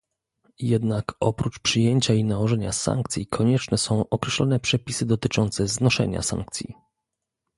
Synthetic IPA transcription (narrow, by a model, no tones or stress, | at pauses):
jɛd̪nakɔpɾut͡ʂpʂɘjeɲt͡ɕainawɔʐɛɲasa̰ŋk̚t̪sʲikʰɔɲɛt͡ʂnɛsɔ̃w̃ʔɔkɾɛɕlɔnɛpʂɛpʲisɘd̪ɔt̪ɘt͡ʂɔnt̪sɛznɔʂɛ̰ɲa̰sã̰ŋk̚t̪sʲḭ